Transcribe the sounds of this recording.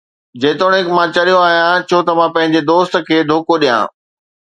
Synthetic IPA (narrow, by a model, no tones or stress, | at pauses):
d͡ʑeːt̪oːɽ̃ekmãt͡ɕɐɾijoaːɦijãt͡ɕʰoːt̪ɐmãpɐ̃ɦɪ̃ɲ̆d͡ʑed̪oːst̪̆kʰeːd̪ʱoːkoɗijã̰ː